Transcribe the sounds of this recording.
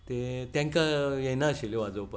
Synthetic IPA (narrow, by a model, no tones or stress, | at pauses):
t̪et̪ãŋkajɛnaəɕeleʋad͡zopə